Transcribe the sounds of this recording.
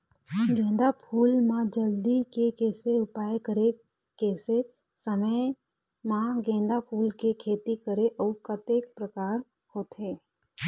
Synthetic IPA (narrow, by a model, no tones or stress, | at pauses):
ɡẽːnd̪apʰuːlmãd͡ʒəld̪ikekeːseʊpaːjekəɾe | keːse | səmə | mãɡẽːnd̪apʰuːlkekʰeːt̪ikəɾeʔɔːkət̪eːkpɾəkaːɾ | hoːt̪ɦeː